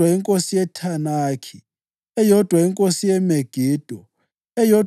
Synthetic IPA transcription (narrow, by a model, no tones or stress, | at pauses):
waiŋkʼosijɛtʰanaːkʰi | ɛjɔd̥ʱwaiŋkʼosijɛmeɡ̥ʱiːd̥ʱɔ | ɛjɔ